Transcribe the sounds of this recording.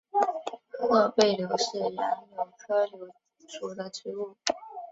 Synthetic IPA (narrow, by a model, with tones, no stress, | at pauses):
ɤ˥˧pe˥˩ɪljo˧˥ʊʂɻ̩˥˩ji˧˥ŋjo˨˩ʊʈ͡ʂʰə˥ljo˧˥ʊ | ʂu˧˥d̪ə˨ʈ͡ʂɻ̩˧˥u˥˩